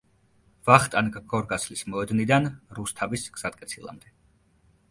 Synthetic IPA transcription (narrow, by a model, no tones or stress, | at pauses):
v̥aχt̪ʼanɡɡɔɾɡaslismɔɛd̪nid̪anɾust̪ʰavisɡ̥z̥at̪̚ʼkʼɛt̪sʰilˠa̰md̪ɛ